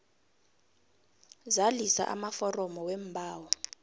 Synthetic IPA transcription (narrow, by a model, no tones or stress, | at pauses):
zalisa̰ʔa̰mafɔrɔmɔwembʱaːwɔ